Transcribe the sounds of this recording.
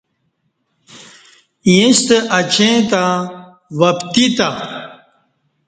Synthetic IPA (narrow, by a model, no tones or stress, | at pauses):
jĩst̪eʔɐt͡ɕẽt̪a | wɐpt̪it̪a